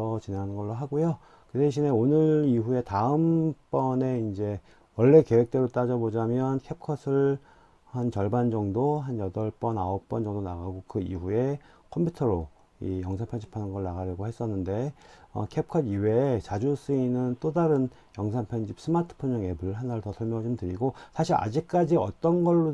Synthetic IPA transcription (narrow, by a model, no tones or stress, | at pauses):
ʌt͡ɕineŋɦanɯnɡʌɭːoɦaɡojo | kɯdeɕ̬ʰine̞onɯɾiɦue̞taɯmp͈ʌne̞ind͡ʑe̞ | wʌɭːe̞ke̞we̞k̚t͈e̞ɾot͈ad͡ʑʌbod͡ʑamjʌnkʰe̞p̚kʰʌsʰɯɭ | hant͡ɕʌɭband͡ʑʌŋdoɦanjʌdʌɭp͈ʌnaop̚p͈ʌnd͡ʑʌŋdonaɡaɡokɯḭɦue̞ | kʰʌmpʰutʰʌɾo | ḭjʌŋsʰanpʰenɕʰi̥pʰanɯnɡʌɭnaɣaɾʌɡohe̞s͈ʌnːɯnde̞ʌ̰kʰep̚kʰʌdiwe̞t͡ɕad͡ʑus͈ɯinːɯnt͈odaɾɯn | jʌŋsʰanpʰenɕʰip̚s͈ɯmatʰɯ̥pʰonɲʌŋe̞buɭɦanaɾotʌsʰʌɭmjʌŋad͡ʑomntɯɾiɡosʰaɕʰiɾa̰d͡ʑik̚k͈ad͡ʑiʌt͈ʌnɡʌɭːo